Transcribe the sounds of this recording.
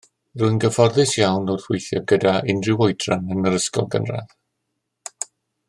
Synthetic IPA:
rʊɨnɡəvɔrðɨsjawnɔrθwɪjθjɔɡədaɪndrɪwojd̥ranənəɾəskɔ̰lˠɡə̰nrɛ̰ð

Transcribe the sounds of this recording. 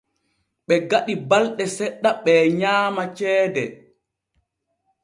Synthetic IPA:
ɓɛɡaɗibalɗɛsɛɗːaɓɛːɲaːmat͡ʃɛːdɛ

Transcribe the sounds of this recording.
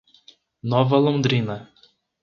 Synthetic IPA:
nɔvɐlõd̪ɾĩnɐ

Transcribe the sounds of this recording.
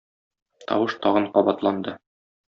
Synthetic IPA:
t̪ɒ̰wɤʃt̪ɒʁɤɴqɒbɑt̪lˠɑnd̪ɤ

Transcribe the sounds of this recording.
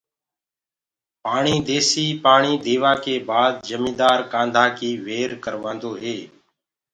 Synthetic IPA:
paːɳiːd̪eːsiːpaːɳiːd̪eːʋaːkeːbaːd̪̚d͡ʒəmĩːd̪aːɾkãːnd̪ʱaːkiːʋeːɾkəɾʋãːnd̪oːɦeː

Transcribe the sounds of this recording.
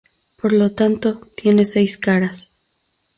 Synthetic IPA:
po̞ɾlo̞t̪ant̪o̞t̪je̞ne̞sejskaɾas

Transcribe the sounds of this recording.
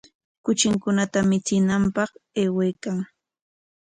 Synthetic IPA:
kʊt͡ʃɪŋkʊnat̪amɪt͡sɪnampɑχeːwejkaŋ

